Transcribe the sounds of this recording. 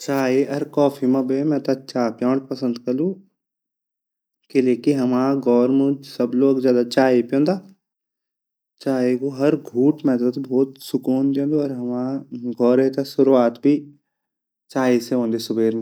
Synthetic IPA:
t͡ʃaːeɐɾkɔːfʰimɐ̃bemɛ̃t̪ɐt͡ʃaːpjãːɽpɐsə̃nd̪kɐlũ | keleːkiɦɐmaːɡɔːɾmũd͡ʒsɐbloːɡzjaːd̪at͡ʃaːepjõːnd̪aː | t͡ʃaːekoɦɐɾɡʱuːʈmɛd̪ət̪bʱɔːt̪sʊkuːnd̪ẽːnd̪oɔɾɦɐmaːɡʱɔːɾẽt̪asʊɾuaːt̪bʱi | t͡ʃaːiseɦõːnd̪esʊbeːɾmẽ

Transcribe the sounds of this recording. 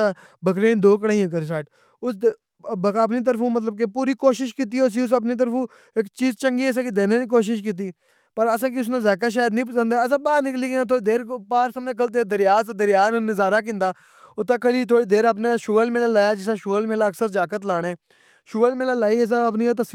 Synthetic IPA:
aː | bəkɾẽːnd̪oːk̬əɽaːiãːk̬əɾsaːʈ | ʊs | bkːpniːt̪əɾpʰũːmət̪̬ləb̚kepuːɾiːkoːʃɪʃkiːt̪iːʊs̬iːʊs̬əp̬niːt̪̬əɾfũː | ɪkt͡ʃiːzt͡ʃəŋɡiːəs̬ãːkid̪eːneːiːk̬oːʃ̬ɪʃkiːt̪̬iː | pəɾəsãːk̬iʊs̬nãːzaːk̬aʃ̬aːjəd̪nĩːp̬əsə̃nd̪aːəs̬ãːbaːɾnɪkliːkːnãːt̪ʰoːiːd̪eːɾpaːɾsəmnẽːk̬əlt̪̬eːd̪əɾjaːsd̪əɾɪjaːnːnɪzaːɾaːkɪ̃nd̪aː | ʊt̪ːãːkəliːt̪ʰoːɽiːd̪eːɾəp̬nãːʃoːəlmeːlãːlaːjaːd͡ʒɪsãːʃoːlmeːlaːəksəɾd͡ʒaːkət̪laːɽ̃eː | ʃoːəlmeːlãːlaːiːəs̬ãːəp̬niːt̪̬əs

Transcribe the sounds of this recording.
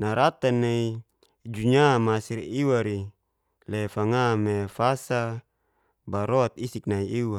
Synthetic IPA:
naɾat̪anei | d͡ʒuɲamasiɾiwaɾi | lefaŋamefasa | baɾoat̪isik̚naiiwa

